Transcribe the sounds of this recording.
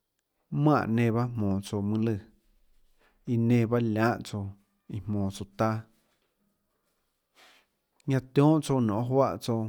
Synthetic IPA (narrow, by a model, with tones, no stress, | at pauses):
mã˧˨ʔnẽ˧ba˦mmɔ̃ː˨t͡so˧mɨ̃˧lɨ˧˨ | i˧nẽ˧˨ba˦lʲã˦ʔt͡so˧ | i˧mmɔ̃ː˨t͡so˧t̪a˦ | ɲã˧t̪jɔ̃ː˦ʔt͡so˧nɔ̃˨ʔɦwa̰˦ʔt͡so˧˨